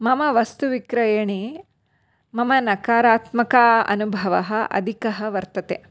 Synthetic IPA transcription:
mɐmɐʋɐst̪uʋikɾɐjɐɳi | mɐmɐnɐkaːɾaːt̪mɐkaɐ̰nubʱɐʋɐɦɐ̆ʔɐ̰d̪ʱikɐɦɐ̆ʋɐɾt̪ɐt̪e

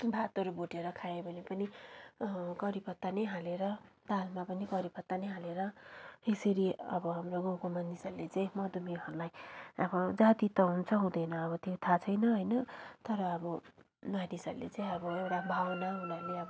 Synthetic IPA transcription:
bʱat̪ʌɾuboʈeɾʌkʰaebʱʌnepʌni | kʌɾipʌt̪ːanʌjɦaleɾʌd̪almapʌnikʌɾipʌt̪ːanʌjɦaleɾʌesʌɾiʌbʌɦamroɡokomanisʌrlet͡saĩmʌd̪umiʌɾlajʌbʌd͡zat̪it̪ʌɦunt͡sʰʌɦũd̪ʌjnʌːβʌt̪jot̪ʰat͡sʰʌjnʌɦʌjnʌt̪ʌɾʌːbʌ | nanisʌ̰rlḛt͡saĩʌbʌewʈabʱawʌnaɦunʌrleʌbʌ

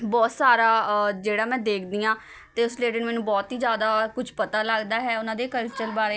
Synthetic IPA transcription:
bɔːt̪saːɾaːd͡ʒeːɽaːmɛ̃ːd̪eːkʰd̪ijãː | t̪eːʊsleːɖəːnːmɛ̃ːnũːbɔːt̪ɦiːzjaːd̪aːkʊd͡ʒʰpət̪aːləɡd̪aːɦɛːʊnãːd̪eːkəlt͡ʃəlbaːɾeː

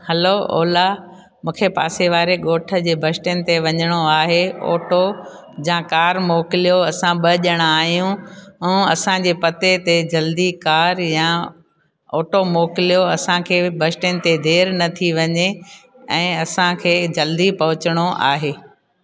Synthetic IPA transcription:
hɐloɔ̰ːla | mũːkʰepa̰ːseʋaːɾeɠoːʈʰə̆d͡ʑeːbʱɐsʈənɪ̆t̪eʋɐɲəɽ̃oaːɦeo̰ːʈo | d͡ʑãkaːɾmoːkɪlijoɐsãɓɐʄəɽ̃aːɦijũũːɐsãd͡ʑeːpɐt̪et̪ed͡ʑɐld̪ikaːɾjã | ɔːʈomoːkɪlijoɐsãkʰeːbʱɐsʈənɪ̆t̪ed̪ʱeːɾnɐt̪ʰiʋɐɲe | ɛ̃ːɐsãkʰeːd͡ʑɐld̪ipɐɦʊt͡ɕəɽ̃oʔa̰ːɦeː

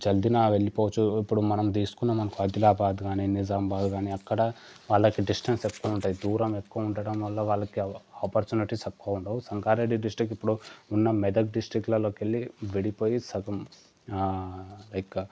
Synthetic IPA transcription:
d͡ʒɐld̪inɐʋe̞ɭːipɔːʋɐt͡ʃuipːuɽumɐnɐmd̪iːsu̥kunːɐmːɐnɐkuɐd̪ilaːbaːd̪ɡaːninizaːmbaːd̪ɡaːniɐkːɐɽɐ | ʋaːɭːɐkiɖisʈɐnsekːɐʋɐuɳʈaːjid̪uːɾɐmekːuʋɐuɳɖɐɽɐmʋɐlːɐʋaːɭːɐkiaːpɐɾt͡ʃuːniʈisɐkːuɐuɳʈaːwusɐŋkaːɾeɖiɖisʈɾik̬ːipːuɽuunːɐmɛd̪ɐk̚ɖisʈɾiklɐlo̞ːkeɭːiʋeɽipo̞ːjisɐɡɐm | lɐjk

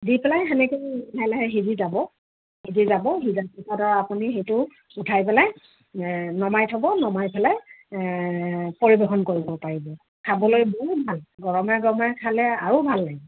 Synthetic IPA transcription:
dipʰɛlajxɛnɛkejɛjlɛɦɛɦidizabɔ | hidizabɔɦizapitadɔɹaapunixejtʊ | utʰajpɛlaj | nɔmajtʰɔbɔnɔmajpʰɛla | poɹibexɔnkoɹibɔpaɹibɔ | kʰabɔlojbɔɦut̚bʱalɡɔɹɔmɛɡɔmɛkʰalɛaɹubʱalːaj

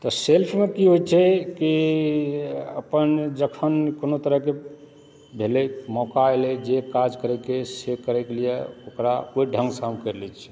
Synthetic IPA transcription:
t̪ɔselpʰmekiɦojt͡ʃʰɛki | ə̰pənd͡ʒəkʰənkonot̪əɾəɦke | bʱelemɔkaelɛd͡ʒekad͡ʒkəɾɛkesekəɾɛkelijḛokɾakoiɖʱə̃ŋɡsamkəɾlɛt͡ʃʰɛ̥

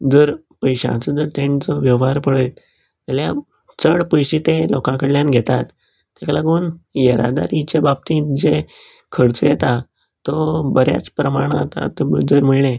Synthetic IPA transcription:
d͡zəɾ | pəjɕã̰t͡səd͡zəɾt̪ẽnt͡sɔʋjəʋɦaɾpəɽəjt̪ | t̪alja | t͡səɽpəjɕit̪ẽlɔkãkəɽljanɡʱet̪at̪ː | aklaɡuːnjeɾa̰d̪a̰ɾit͡ɕebab̚t̪ĩd͡ze | kʰəɽt͡səjet̪a | t̪ɔbəɾja̰t͡spɾəmaɽ̃at̪a̰t̪əd͡zəɾm̤əɭlẽ

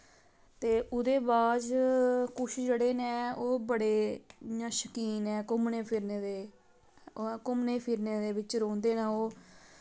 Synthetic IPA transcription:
t̪eːʔʊd̪eːbaːd͡ʒkʊʃd͡ʒeɽeːnɛːoːbəɽeːnãːʃəkiːnɛːkʊmneːpʰɪɾneːd̪eː | kʊmneːpʰɪɾneːd̪eːbɪt͡ʃɾõːnd̪eːnaoː

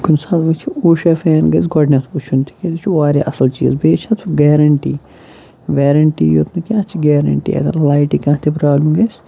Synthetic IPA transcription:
kunsaːd̪mɐt͡ʃʰiuːʃɐːfeːnɡɐsɡɔɖnʲɐt̪ut͡ʃʰunt̪ʰi̥kʲed̪it͡ʃʰuʋaːɾʲiʔɐsɐlt͡ʃḭːzbeːt͡ʃʰɐt̪ʰɡeːɾɐɳʈiː | ʋʲeːɾɐɳʈiːjot̪nɨkʲãːt͡ʃʰiɡeːɾɐ̰ɳʈḭːɐ̰ɡɐ̰ɾlɐjʈikɐ̃ːt̪ʰipɾaːblɐmɡɐsʲ

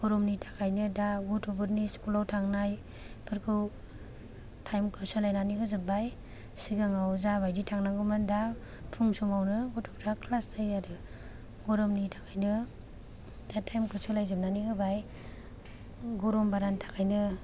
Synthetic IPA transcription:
ɡ̥ɔɾɔmnitʰḁkʰajnɯdaɡɔtʰubɯɾniskulawtʰaŋnaj | b̥ʰɯɾkʰɯw | tʰajmkʰɯsɯlajnanikɯzɯbaj | siɡaŋawzabajditʰaŋnaɡɯmɯnda | pʰuŋsumawnɯɡɔtʰupɾakʰlasdajaɾɯ | ɡɔɾɔmnitʰakʰajnɯ | datʰajmkʰɯsɯlajzɯmnanikɯbaj | ɡɔɾɔmbaɾantʰḁkʰajnɯ

